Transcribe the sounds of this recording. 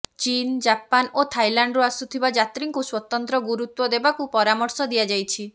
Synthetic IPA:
t͡ʃind͡ʒapanot̪ʰajlaɳɖɾuasut̪ʰibad͡ʒat̪ɾiŋkuswɔt̪ɔnt̪ɾɔɡuɾut̪wɔd̪ebakupɔɾamɔɾsɔd̪ijad͡ʒajt͡ʃʰi

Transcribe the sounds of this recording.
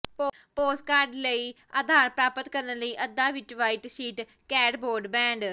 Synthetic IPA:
popoːskaːɾɖləiː | aːd̪ʱaːɾpɾaːpət̪kəɾnəliːʔəd̪ːaːʋɪt͡ʃʋaːiʈsiːʈ | kɛːɖboːɾɖbɛ̃ːɳɖ

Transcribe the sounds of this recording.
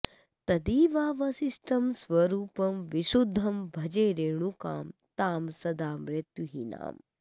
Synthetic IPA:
t̪ɐd̪iːʋaːʋɐsisʈɐmsʋɐɾuːpɐmʋiʃud̪ʱːɐmbʱɐd͡ʒeːɾeːɳ̃ũka̰ːmt̪aːmsɐd̪aːmɾet̪juɦina̰ːm

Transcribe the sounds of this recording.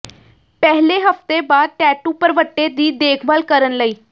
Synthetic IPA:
pɛɦleɦəft̪ebaːd̪̚ʈɛːʈuːpəɾʋəʈːed̪iːd̪eːkʰbəlkəɾənləiː

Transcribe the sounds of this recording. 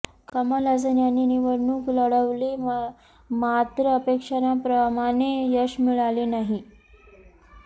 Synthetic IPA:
kəmalad͡zənjanːiniʋəɾɳuːkləɽəʋle | mat̪ɾəəpekʂanapɾəmaɽ̃ejəɕmiɭalenaɦi

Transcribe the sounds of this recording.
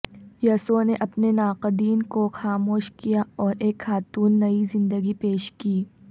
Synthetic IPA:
jɐːsoneʔɐpnenaːqəd̪iːnkoxaːmoːʃkijaɔːɾeːkxaːt̪uːnːɐizɪ̃nd̪əɡipeːʃkiː

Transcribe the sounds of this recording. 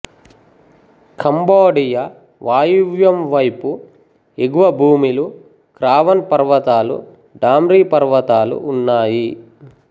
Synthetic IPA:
kɐmboːɖijɐ | ʋaːjiʋjɐmʋɐjpu | eɡuʋɐbʱuːmilu | kɾaːʋɐnpɐɾʋɐt̪aːlṵ | ɖaːmɾiːpɐɾʋɐt̪aːlṵʔːnːaːji

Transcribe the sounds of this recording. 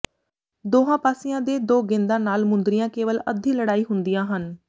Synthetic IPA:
d̪oːɦãːpaːsɪjãːd̪eːd̪oːɡɪ̃nd̪ãːnaːlmʊnd̪ɾɪjãːkeːʋələd̪ʱĩːləɽaːiːɦʊnd̪ijãːɦən

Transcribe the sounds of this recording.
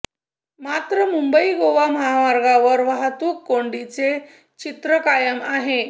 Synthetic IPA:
mat̪ɾəmumbəiɡoʋaməɦaʋaɾɡaʋəɾʋaɦt̪uːkːoɳɖit͡se | t͡ɕit̪ɾəkajəmaɦe

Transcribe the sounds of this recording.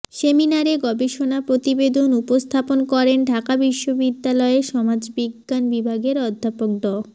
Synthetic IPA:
seminaɾeɡɔbeʃonapɾot̪ibed̪ʱonupost̪ʰaponkɔɾenɖʱakabiʃːobid̪ːalɔeʃɔmad͡ʑbiɡːanbibʱaɡeɾɔd̪ʱːapok̚ɖɔ

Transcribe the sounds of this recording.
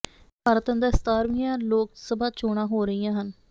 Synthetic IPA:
pʰaːɾət̪ə̃nd̪əst̪aːɾmijãːloːksəbʱaːt͡ʃoːɽãːɦoːɾəijãːɦən

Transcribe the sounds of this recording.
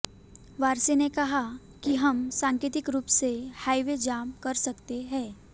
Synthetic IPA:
ʋaːɾsenekɐɦa | kiɦɐmsãːŋket̪ɪkɾuːpsehaːiʋed͡ʒaːmkɐɾsɐkt̪eɦɛ̃ː

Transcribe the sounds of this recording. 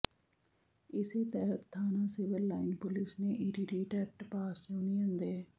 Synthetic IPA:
ɪseːt̪ɛɦət̪t̪ʰːaːnaːsɪʋəɾlaːɪnpʊlɪsneːʔɪɾiɾiːʈɛːʈpaːsjoːnijənd̪eː

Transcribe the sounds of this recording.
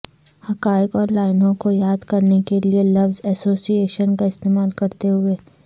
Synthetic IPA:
hɐkaːjɪkɔːɾlaːɪnõkojaːd̪kɐɾnekelielɐʋzɛsoːsieːʃənkaɪst̪eːmaːlkɐɾt̪eɦʊeː

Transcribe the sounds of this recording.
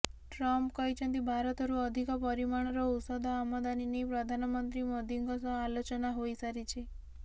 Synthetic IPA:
ʈɾɔmpkəjt͡ʃʰə̃nt̪̬ibʱaɾɔt̪ɔɾuəd̪ʱikɔpəɾimaɳ̃ɾousɔd̪ʱɔamɔd̪aninipɾəd̪ʱanəmənt̪ɾimod̪iŋɡɔsɔalot͡ʃɔnaɦojsaɾit͡ʃʰe

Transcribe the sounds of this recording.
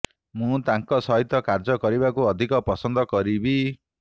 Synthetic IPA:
mũt̪aŋkɔsɔɦit̪ɔkaɾd͡ʒɔkɔɾibakuɔd̪ʱikɔpɔsɔnd̪ɔkɔɾibi

